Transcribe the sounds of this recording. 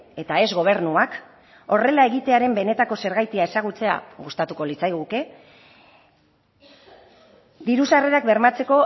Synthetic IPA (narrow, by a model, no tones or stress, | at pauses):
e̞t̪ae̞zɣo̞β̞e̞ɾnuak | o̞re̞lae̞ɣit̪e̞aɾe̞mbe̞ne̞t̪ako̞se̞ɾɣajt̪iae̞saɣ̞ut͡se̞a̰ɣust̪at̪uko̞lit͡sajɣ̞uke̞ | d̪iɾusare̞ɾakbe̞ɾmat͡se̞ko̞